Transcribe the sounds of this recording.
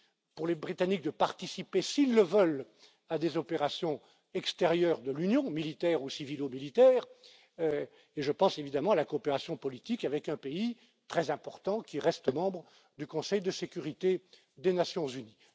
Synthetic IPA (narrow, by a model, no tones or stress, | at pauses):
puʁlebʁit̪anik̚d̪əpaʁt̪isipesilːəvœl | ad̪ezɔpeʁasjɔ̃ | ɛkst̪eʁjœːʁd̪əlynjɔ̃milit̪ɛʁusivilomilit̪ɛːʁ | eʒəpɑ̃sevid̪amɑ̃alakoːpeʁasjɔ̃pɔlit̪ikavɛkɛ̃pei | t̪χɛzɛ̃pɔʁt̪ɑ̃kʲiʁɛst̪əmɑ̃bʁə | d̪ykɔ̃sɛjd̪əsekʲyʁit̪e | d̪enasjɔ̃zyni